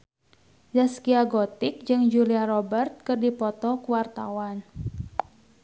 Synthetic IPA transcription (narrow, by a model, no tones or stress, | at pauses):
daskiaɡɔt̪ɪk̚d͡ʒɨŋd͡ʒuliaɾɔbɛrt̪̚kɨrdipɔt̪ɔkuwart̪a̰wan